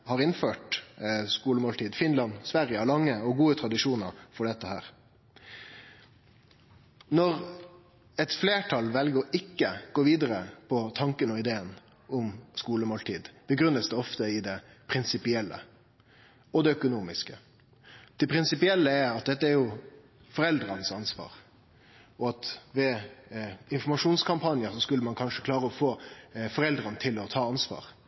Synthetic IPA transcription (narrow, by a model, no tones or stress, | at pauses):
hɑɾɪnføːʈskuːləmoːlt̪ʰiːd̪fɪnlɑnsʋæɾjəhɑɭɑŋːəɔɡuːət̪ʰɾɑd̪ɪʂuːnəɾfɔɖɛt̪ːəhæ̰ːɾ | nɔɾ | ɛt̪fleːʈʰɑlʋɛlɡəɪkːəɡ̥oːʋiːd̪əɾəpʰɔt̪ʰɑŋkənɔɪd̪eːən | ʊmskuːləmoːlt̪ʰiːd̪b̥əɡɾʉnːəsd̪ɛɔft̪əɪd̪ɛ | pʰɾɪnsɪpɪɛlːə̰ | ɔd̪ɛœkʊnuːmɪskə | d̪̥ɛpʰɾɪnsɪpɪɛlːəɛɾɑt̪̚d̪ɛt̪ːəæɾjʊ | fɔɾɛld̪ɾɑnəsɑnsʋɑ̰ːɾ | ɔɑt̪ʋɛ | ɪnfɔmɑʂuːnskʰɑmpʰɑnjəɾsɔskʉlːəmɑnkʰɑnʂəkʰlɑːɾəɔfoːfɔɾɛld̪ɾɑnət̪ʰɪlɔt̪ʰɑːɑnsʋɑ̰ːɾ